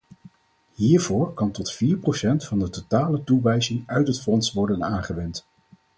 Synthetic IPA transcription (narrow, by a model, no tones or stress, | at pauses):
ɦiːɹv̥ʊːɹkɑntɔtfiːɹprowsɛntfɑndətotaːlətuʋɛjzɪŋœɥtɦətfɔnsʋɔɹdənaːnχəʋɛnt